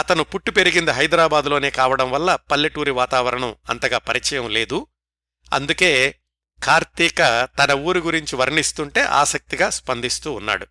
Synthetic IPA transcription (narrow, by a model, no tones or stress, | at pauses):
ɐt̪ɐnupuʈːupe̞ɾiɡind̪ɐɦɐjd̪ɾaːbaːd̪ulo̞ːne̞ːkaːʋɐɽɐmʋɐlːɐpɐlːɐʈuːɾiʋaːt̪aːʋɐɾɐɳɐmɐ̰nt̪ɐɡaːpɐɾit͡ʃɐjɐmle̞ːd̪u | ɐ̰nd̪uke̞ː | kʰaːɾt̪iːkɐt̪ɐnɐuːɾuɡuɾiɲt͡ʃiʋɐɾnist̪uɳʈe̞ːʔa̰ːsɐk̚t̪iɡaːspɐnd̪ist̪uːnːa̰ːɽu